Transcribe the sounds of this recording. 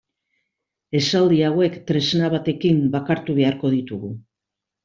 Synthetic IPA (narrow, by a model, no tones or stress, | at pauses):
e̞sald̪iawe̞kt̪ɾe̞znaβat̪e̞kimbakaɾt̪uβ̞e̞aɾko̞ð̞it̪uɣu